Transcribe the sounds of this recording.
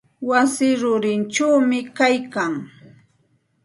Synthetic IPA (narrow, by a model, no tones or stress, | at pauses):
wasɪɾʊɾɪnt͡ʃawmɪkajkaŋ